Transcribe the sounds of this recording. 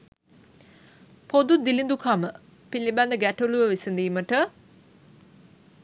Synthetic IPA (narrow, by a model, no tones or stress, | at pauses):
pod̪ud̪ilind̪ukʰamə | pilibɛnd̪əɡæʈuluʋəʋisənd̪iːməʈə